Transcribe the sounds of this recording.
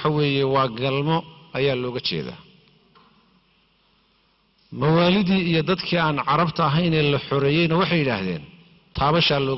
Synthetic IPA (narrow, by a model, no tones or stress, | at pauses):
ħɑwɛːjɛwɑːɡɐlmɔɐjaːlɔːɣɐt͡ʃʰɛ̰ːða̰ː | mɐwaːlɪðiːijɞd̪ɐd̪kʰiːaːnʕɑɾɐbt̪ʰɐɐɦɛjnɛːlɐħɔɾɛːjɛjnɐwɑħɑjːɪɽa̰ːhðɛ̰ːn | t̪ʰaːβɐʃaːlɔː